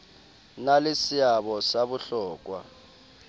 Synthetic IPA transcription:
nalisiaɓɔsaɓuɬɔːk̬wa̰

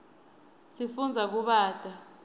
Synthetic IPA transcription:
sifund͡zʱak̬uɓaːd̥ʱʼa

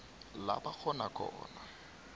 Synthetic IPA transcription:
la̰bak͡xʰɔnakʰʼɔ̰ːna

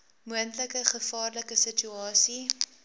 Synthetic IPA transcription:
muəntləkəχəfɑːrləkəsət͡ʃyɑːsi

